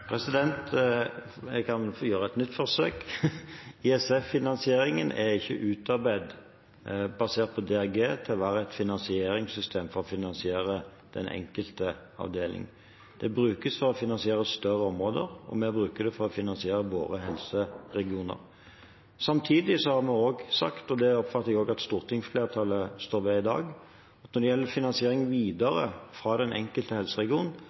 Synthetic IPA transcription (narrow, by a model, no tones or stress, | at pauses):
pʰɾɛsɪd̪ɛnt̪ | kʰɑnjøːɾəɛt̪nʏt̪ːfɔɾsøːk | iɛsɛfːɪnɑnsɪeːɾɪŋənʔɛɾɪçːəʔʉːt̪ɑʁbæɪd̪ | bɑseːʁt̪̚pʰɔd̪ɛɑɡeːt̪ʰɪlʋæːɾəɛt̪fɪnɑnsɪeːɾɪŋsʏst̪ʰeːmfɔɾɔfɪnɑnsɪeːɾə | d̪̥ɛ̰nʔɛ̰ŋkəlt̪ə | ɑ̰ʋd̪eːlʔɪ̰ŋə | d̪̥ɛbɾʉːkəsfɔɾɔfɪnɑnsɪeːɾəst̪œɾəɔmʁoːd̪ə̰ɾɔ̰mebɾʉːkəd̪ɛfɔɾɔfɪnɑnsɪeːɾəʋo̰ːɾəɦɛlsəʁɛɡɪuːnə̰ɾ | sɑmt̪ʰiːd̪ɪsɔhɑʁmɛoːɡsɑ̰kt̪ɔd̪ɛɔpfɑt̪ːɛɡoːɡɑt̪st̪uːʁt̪ʰɪŋfleːɾt̪ʰɑləst̪oːɾʋɛɪd̪ɑ̰ːɡ | ɑt̪nɔɾd̪ɛjɛlːəfɪnɑnsɪeːɾɪŋʋiːd̪ɑɾə̰fʁɑːd̪ɛnʔɛ̰ŋkəlt̪əhɛlsəʁɛɡɪuːnn